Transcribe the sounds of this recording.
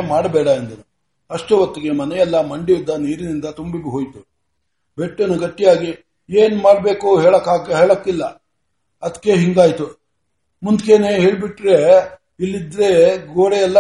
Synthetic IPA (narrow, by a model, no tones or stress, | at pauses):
maːɽbɛːɽɐɐnd̪ɐnu | ɐʂʈuʋɐt̪ːiɡe̞mɐnɛjɛlːɐmɐɳɖijud̪ːɐniːɾinind̪ɐt̪umbibuɦoːjt̪u | beʈːunuɡɐʈːijaːɡi | eːnmaːɽbe̞ːkuɦeːɭɐkːaːɡɦeːɭokːilːɐ | ɐd̪kːe̞ɦiŋɡaːjt̪u | mund̪keːneɦeːɭbiʈːɾe | ilːid̪ɾe̞ɡoːɽejɛlːɐ